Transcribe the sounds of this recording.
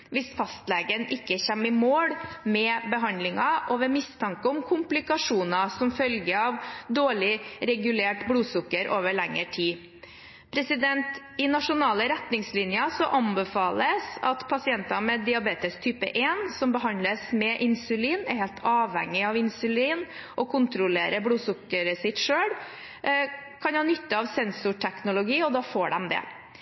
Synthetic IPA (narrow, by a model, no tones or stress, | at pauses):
ʋɪsfɑst̪leːɡənʔɪkːəçɛmːɪmoːɽmɛbəɦɑnlɪŋɑʔɔʋɛmɪst̪ʰɑŋkəɔmkʰʊmplɪkɑʂuːnɑsɔmfœlɡəɑʋd̪oːɭɪɾɛɡʉleːʈbluːsʊkːəɾʔoːʋəɭɛŋːəʈʰiː | pʰɾɛsɪd̪ɛnt̪ | ɪnɑʂʊnɑːləɾɛt̪nɪŋslɪnjɑsɔʔɑnbəfɑːləsɑ̰t̪pʰɑsɪɛnt̪ɑmɛd̪ɪɑbeːt̪əst̪ʰyːpə̰ʔeːnsɔmbəɦɑnləsmɛʔɪnsʉliːnɛɾheːlt̪ʰɑːʋhɛ̰ŋːɪɑʋɪnsʉliːnʔɔkʰʊnt̪ɾʊlḛːɾəbɽuːsʊkːəɾəsɪt̪ʂøːɽ | kʰɑnhɑnːʏt̪ːəɑʋsɛnsʊʈʰæknʊlʊɡiːɔd̪ɑːfoːɖɛmd̪ɛ̰